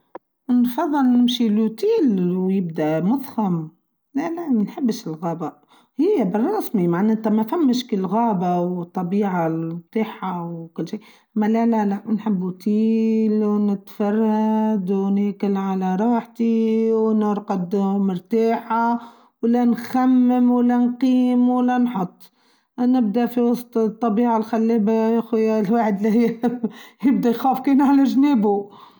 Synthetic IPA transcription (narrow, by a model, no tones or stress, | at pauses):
nfɑðˤːɨlnɪmʃilut̪iːlwjɪb̚d̪æʔmʊðxam | lælæmænħɪbːʃɪlɣɑːba | hɪjːæbɪrˤːɑsmimaʕnæːt̪æmæfæmːəʃkəlɣaːbawt̪ˤːɑbiːʕat̪ˤɑːħawkʊlːʃiː | mælælælaʔnħɪbːut̪iːlwnɪt̪fɑrˤːɑd̪wnekɪlʕalaɾˤɑːħt̪iwnɪɾˤqɑd̪mʊɾt̪aːħa | wlanxamːɪmwlːænqiːmwalːanħʊt̪ˤː | nɪb̚d̪aʔfiwɑsˤt̪ˤt̪ˤːɑbiːʕalxalːiːbaæxujalwaːħɪd̪lihɪj | jɪbd̪ajxaːfkeːnʕalaʒneːbu